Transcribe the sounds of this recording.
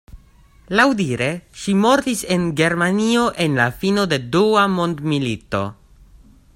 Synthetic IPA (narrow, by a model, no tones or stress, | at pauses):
lawdiɾe̞ʃimo̞ɾt̪ise̞nɡe̞ɾmanio̞ʔe̞nlafino̞de̞duamo̞nd̪milito̞̰